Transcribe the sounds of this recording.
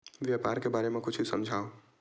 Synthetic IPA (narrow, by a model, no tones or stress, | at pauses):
ʋjaːpaːɾkebaːɾemẽkʊt͡ʃʰisɐ̃md͡ʒʱaːo